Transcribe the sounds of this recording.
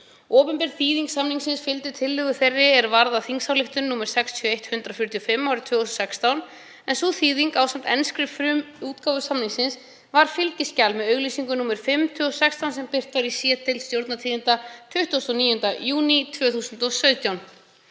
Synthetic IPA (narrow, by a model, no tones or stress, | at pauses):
ɔːpʏmpɛɾ̥θiːðiŋksamniŋksɪnsfɪlt̪ɪt̪ʰɪlːɪðʏθerːɪɛɾvaɾðaθiŋsawlɪht̪ʏnnuːmɛɾ̥sɛkst̪ʰjɔejht̪hʏnt̪ɾafjʏɾ̥t̪ʰijɔfɪmːawɾɪt̪ʰvʏːθussɛkst̪awn | ɛnsuθiːðiŋkaːwsamt̪ɛnskɾɪfɾʏm | uːt̪kavʏsamniŋsɪns | vaɾ̥fɪlcɪscalmɛðœɥɣliːsiŋkʏnuːmɛɾ̥fɪmːt̪ʰʏːɔsɛkst̪ʰawnsɛmpɪr̥t̪vaɾisiːɛt̪ʰɪlst̪jowɾt̪nat̪ʰiːðint̪at̪ʰʏht̪ust̪ɔniːjʏnt̪ajuːnit̪ʰvœːθuːsʏnt̪ɔsœɥt̪jawn